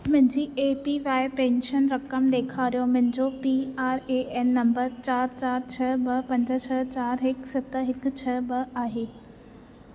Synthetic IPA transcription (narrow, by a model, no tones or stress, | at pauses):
mʊ̃ɦɪ̃ɲd͡ʑiːeːpiʋaːɪpɛ̃ːnʃənɾɐkəmɗ̪eːkʰaːɾijomʊ̃ɦɪ̃d͡ʑopiːaːɾeːʔɛːnːɐ̃mbəɾt͡ɕaːɾt͡ɕaːɾt͡ɕʰɐbɐpɐ̃ɲd͡ʑət͡ɕʰɐt͡ɕaːɾɦɪksɐt̪əɦɪkʊ̆t͡ɕʰɐbɐaːɦeː